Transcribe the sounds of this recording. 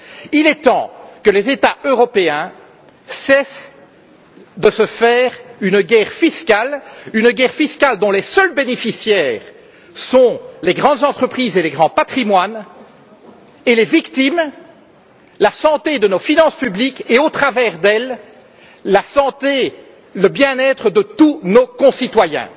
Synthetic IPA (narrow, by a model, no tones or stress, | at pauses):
ilɛt̪ɑ̃kəlezet̪aøʁɔpeɛ̃ | sɛs | d̪əsəfɛʁynɡʲɛːʁfiskʲalynɡʲɛʁfiskald̪ɔ̃lesəlbenefisjɛːʁ | sɔ̃leɡʁɑ̃d̪zɑ̃t̪χəpχiːzeleɡʁɑ̃pat̪χimwan | elevikt̪im | lasɑ̃t̪ed̪ənofinɑ̃spyblikeot̪χavɛʁd̪ɛlː | asɑ̃t̪e | ləbjɛ̃nɛt̪χəd̪ət̪unokɔ̃sit̪wajɛ̰̃